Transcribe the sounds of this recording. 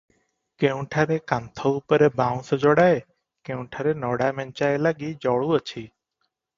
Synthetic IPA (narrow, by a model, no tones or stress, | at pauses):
keũʈʰaɾekant̪ʰɔupɔɾebaw̃sɔd͡ʒɔɽae | keũʈʰaɾenɔɽamɛɲt͡ʃaelaɡid͡ʒɔɭuət͡ʃʰi